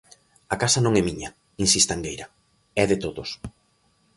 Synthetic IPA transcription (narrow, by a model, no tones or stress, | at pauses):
ɐkasɐnõŋɛmiɲɐ | insist̪aeŋɡejɾɐ | ɛðɪt̪oðʊs